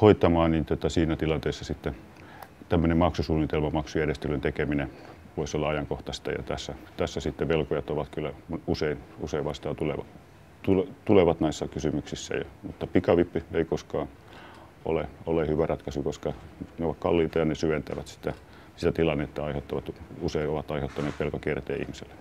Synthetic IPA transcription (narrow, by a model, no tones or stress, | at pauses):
hoit̪ːˑɑmɑːnniːnt̪ot̪ɑsiːnæt̪ilɑnt̪eːsːɑsit̪ːe | t̪æmːønemɑksusuːnit̪elmɑmɑksujærjest̪elønt̪ekemine | ʋoisolːɑɑjɑŋkoht̪ɑst̪ɑ̰jɑ̰t̪æ̰sːæt̪æsːæsit̪ːeʋelkojɑt̪oʋɑt̪kylːˑæmuseinuseiʋʋɑst̪ɑːt̪ulḛʋɑ̰ | t̪ulet̪uleʋɑt̪nɑisːɑkysymyksisːæ̰jɑ̰mut̪ːɑpikɑʋipːieikoskɑː | ʔo̰leolehyʋærɑt̪kɑsukoskɑneoʋɑtkkɑlːiːt̪ɑjɑnesyʋent̪æʋæt̪si̥t̪æ | sit̪æt̪ilɑnːet̪ːɑɑihet̪ːɑʋɑt̪useioʋɑt̪ɑiheot̪ːɑneːt̪pelkɑkiert̪ḛːḭhmisḛlːe̥